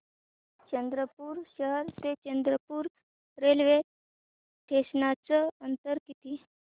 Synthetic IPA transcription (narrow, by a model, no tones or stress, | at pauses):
t͡ɕənd̪ɾəpuːɾɕəɦəɾt̪et͡ɕənd̪ɾəpuːɾ | ɾelʋe | ʈ̪ʰesnat͡səənt̪əɾkit̪i